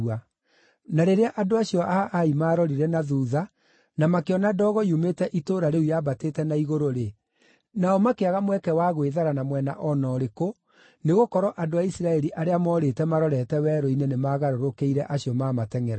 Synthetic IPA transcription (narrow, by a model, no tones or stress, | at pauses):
a | naɾeɾeaʔadoaɕiɔʔaʔaimaːɾɔɾiɾɛnaðuːða | namakeɔnadɔːɣɔiometɛʔitoːɾaɾeujabateːtɛnaiɣoɾoɾe | naɔmakeaɣamwɛkɛwaɣweðaɾanamwɛna̰ʔɔnɔɾeko | neɣokɔɾɔʔadoaisiɾaɛɾiʔaɾeamɔːɾetɛmaɾɔɾɛtɛwɛːɾɔinenemaːɣaɾoɾokeiɾɛʔaɕiɔmaːmatɛŋɛɾa